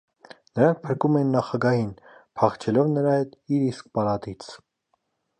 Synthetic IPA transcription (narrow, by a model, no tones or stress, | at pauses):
nəɾɑŋk̚ʰpʰəɾkumɛnːɑχɑɡɑhinpʰɑχt͡ʃʰɛlɔvnəɾɑjɛt̪iɾisk̚pɑlɑt̪it͡sʰ